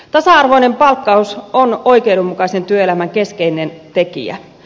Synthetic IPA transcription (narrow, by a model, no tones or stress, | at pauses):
t̪ɑsɑɑrʋo̞inempɑlkːɑusono̞jkeudumːukɑse̞nt̪yøelæmæŋke̞skejnent̪e̞kḭæ̰